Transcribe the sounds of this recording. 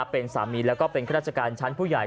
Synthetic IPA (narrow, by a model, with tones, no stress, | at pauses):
pe˧nsa̰ː˩˦miː˧lɛː˦˥wkɔː˥˩pe˧nkʰa˦ɾaː˥˩t̚t͡ɕʰa˩˧kaː˧nt͡ɕʰa˦˥npʰuː˥˩jaː˨˩j